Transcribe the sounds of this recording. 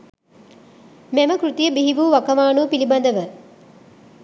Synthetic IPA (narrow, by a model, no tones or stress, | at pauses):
mæməkrɾut̪ijəbiɦiʋuːʋakəmaːnuəpiliband̪əʋə